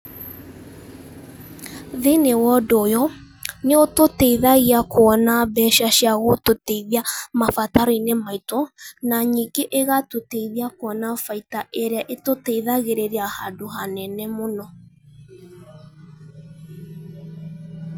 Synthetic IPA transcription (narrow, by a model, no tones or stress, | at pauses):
ðenewɔdojɔ | neototɛiðaɣiakoɔnabɛʃaʃjaɣototeiðiamafataɾɔinemaitonaɲiɡeʔeɣatoteiðiakwɔnafaitaʔeɾeaʔetotɛiðaɣeɾeɾeahadoɦanɛnɛmonɔ